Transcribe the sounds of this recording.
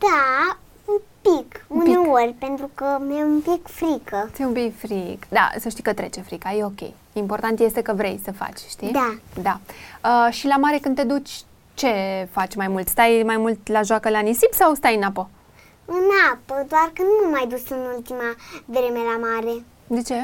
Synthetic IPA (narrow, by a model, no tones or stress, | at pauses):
d̪̥a | ɨmpikuneorʲpe̞nt̪ɾukəmeumpikfɾikʰəseumpikfɾikd̪a̰səʃt̪ikət̪ɾe̞t͡ʃefɾikajeo̞kʲḛj | impo̞rt̪ant̪je̞st̪e̞kəvɾe̞̰jsəfa̰t͡ʃʲʃt̪id̪ad̪aəʃilamaɾe̞kɨnt̪ed̪ut͡ʃʲ | t͡ʃe̞fat͡ʃʲmajmult̪st̪ajmajmult̪laʒoakəlanisipsawst̪ajɨnapo | ɨnapəd̪oarkɨnd̪numajd̪usɨnult̪imavɾe̞melamaɾe̞ | d̪e̞t͡ʃe̞